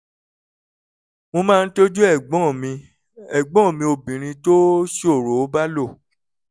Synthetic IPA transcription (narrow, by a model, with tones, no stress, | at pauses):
mõ˧mãː˦˧n̩˦to˦d͡ʒu˦ɛ˦˨ɡ͡bɔ̃˨˦˨mĩ˧ | ɛ˦˨ɡ͡bɔ̃˦˨mĩ˧o˧bĩ˨ɾ̃ĩ˧to˦ʃo˦˨ɾo˨˦ba˦lo˦˨